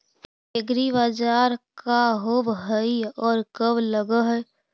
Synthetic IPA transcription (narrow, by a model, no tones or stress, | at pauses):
eɡɾibad͡ʒaːɾkaɦobɦəiɔːɾkəbləɡəɦɛ